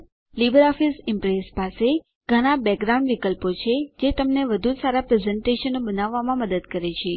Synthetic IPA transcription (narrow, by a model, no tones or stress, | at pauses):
libəɾɔfisɪmpɾezpase | ɡ̥ʱəɽ̃abɛɡ̚ɡɾaũɳɖʋikəlpot͡ʃʰed͡ʒet̪əmneʋəd̪ʱusaɾapɾezɛɳʈeʃənobənaʋːamãməd̪əd̪kəɾet͡ʃʰe